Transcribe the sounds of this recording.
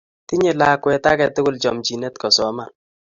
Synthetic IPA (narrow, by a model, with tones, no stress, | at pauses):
ti˦ɲe˨la˦kwɛ˨ta˦kɛ˨tʊ˦kʊ˦˨lt͡ʃɔ˨mt͡ʃi˨ne˦tkɔ˨sɔ˨˦ma˨